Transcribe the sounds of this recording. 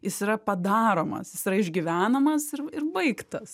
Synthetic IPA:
jɪsiɾɐpɐd̪ɑːɾoːmɐ̰sjɪsiːɾɐɪʒʲɡʲiʋʲæːnɐmɐsɪɾɪrbɐɪkt̪ɐs

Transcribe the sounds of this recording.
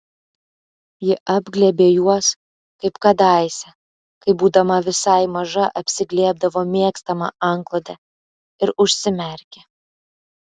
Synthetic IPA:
jɪʔɑbʲɡlʲɛbʲeːjuɔs | kɐɪpkɐd̪ɑɪsʲɛ | kɐɪbuːd̪ɐmɐʋʲɪsɐɪmɐʒɐʔɐpʲsʲɪɡlʲiɛb̚d̪ɐʋoːmʲiɛkst̪ɐmɐ̰ɐŋklˠod̪ʲɛ | ɪɾʊʃʲsʲɪmʲɛɾʲkʲe

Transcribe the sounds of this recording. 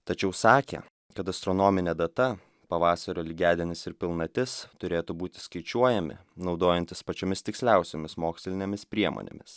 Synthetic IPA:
t̪ɐt͡ʃʲɛʊsɑːkʲɛ̰ | kɐt̪ɐst̪ɾɔnoːmʲɪnʲeːd̪ɐt̪ɐ | pɐʋɑːsɐɾʲoːlʲɪɡʲæːd̪ʲɪnʲɪsɪɾpʲɪlˠnɐt̪ʲɪst̪ʊɾʲeːt̪ubuːt̪ʲɪ̥skɐɪt͡ʃʲuɔjɛmʲɪ̰nɒʊd̪oːjɛnʲt̪ʲɪspɐt͡ʃʲoːmʲɪst̪ʲɪksʲlʲæˑʊsʲomʲɪsmoːksʲlʲɪnʲemʲɪspʲɾʲiɛmo̰nʲḛmʲɪs

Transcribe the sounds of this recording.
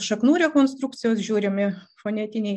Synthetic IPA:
ʃɐknuːɾʲɛkonst̪ɾukt̪t͡s̪ʲɪjoːs̬ʒʲuːɾʲɪmʲɪfonʲɛt̪ʲinʲej

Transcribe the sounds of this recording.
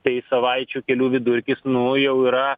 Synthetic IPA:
t̪ɐɪsɐʋɐɪt͡ʃʲuːkʲɛlʲuːʋʲɪd̪ʊɾʲkʲɪsnʊjɛʊiːɾɐ

